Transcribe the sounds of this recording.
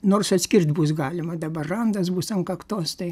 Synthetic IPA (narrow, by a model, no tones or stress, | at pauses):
noːrsɐt̪ʲsʲkʲɪrʲt̪ʲbusɡɑːlʲɪmɐd̪ɐbɐrrɐnd̪ɐs̬buːsɐŋkɐkt̪oːst̪ɐɪ